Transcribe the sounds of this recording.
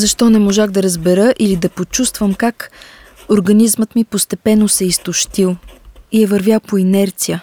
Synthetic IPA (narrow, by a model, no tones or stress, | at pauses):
zɐʃt̪ɔnɛmoʒaxd̪ɐɾəzbɛɾəʔilid̪ɐpot͡ʃust̪vəmkak | oɾɡɐnizmət̪mipost̪ɛpɛnːosɛist̪oʃt̪ilˠiɛvɐɾvʲjalˠpoinɛɾt̪sijə